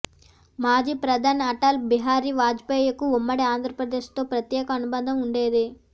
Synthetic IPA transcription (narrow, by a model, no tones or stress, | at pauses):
maːd͡ʒiːpɾɐd̪ʱanɐʈaːlbiɦaːɾiʋaːd͡ʒpeːjɐkuumːɐɽiaːnd̪ʱɾɐpɾɐd̪eːʂt̪o̞ːpɾɐt̪jɛːkɐːnubɐnd̪ʱɐmuɳɖe̞ːd̪i